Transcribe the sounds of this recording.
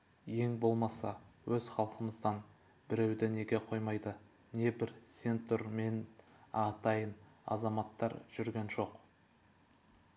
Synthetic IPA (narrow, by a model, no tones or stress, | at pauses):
je̞ŋbo̞lˠmɑsɑ̰wɵz̥χɑlˠqəməzd̪ɑn | bɪɾewd̪ɪne̞ɡʲe̞qʰo̞jmɑjd̪ə | ne̞bɪɾsʲe̞nt̪ʊɾme̞nɑt̪ɑjənɑ̰zɑmɑt̪ːɑ̰ɾʒ̥ʏɾɡʲenʒo̞q